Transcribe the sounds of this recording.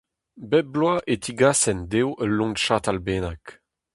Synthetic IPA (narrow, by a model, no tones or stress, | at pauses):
bɛblwaʔet̪ʰiɡasɛnd̪ewʔəlːɔ̃ŋʃat̪albeːnak